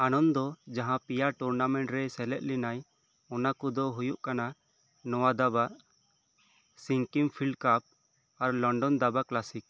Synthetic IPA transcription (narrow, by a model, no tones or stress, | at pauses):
anɔnd̪ɔd͡ʒaɦãpijaʈuɾnamɛ̃ɳʈɾɛsɛlɛt̪̚linaj | ɔnakɔd̪ɔɦujuʔkana | nɔwad̪abaʔ | siŋkimpʰilɖkap̚ | aɾlɔɳɖɔnd̪abaklasik̚